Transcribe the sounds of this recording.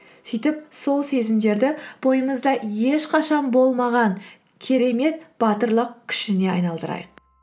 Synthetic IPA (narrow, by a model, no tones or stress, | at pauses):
sijt̪ɪp̚so̞lˠse̞zɪmd̪e̞ɾd̪ɪb̥o̞jəməzd̪ɑje̞ʃqʰɑʃɑnbo̞lˠmɑʁɑŋ | kʲʰe̞ɾe̞me̞t̪b̥ɑt̪əɾlˠəq̚kʲʰʏ̥ʃɪne̞ɑ̰jnɑlˠd̪əɾɑ̰jəq̚